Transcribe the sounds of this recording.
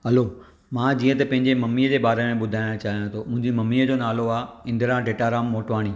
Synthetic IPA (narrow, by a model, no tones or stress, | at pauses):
ɦɐlo | mãːd͡ʑĩːə̃t̪ɐpɐ̃ɦɪ̃ɲd͡ʑemɐmːiːəd͡ʑeːbaːɾemẽɓʊd̪ʱaːj̃t͡ɕaːɦijãt̪ʰoʊ̃ɦɪ̃ɲd͡ʑimɐmːiəd͡ʑonaːloaːɪ̃nd̪əɾãɖeːʈaːɾaːmːoːʈʋaːɽ̃iː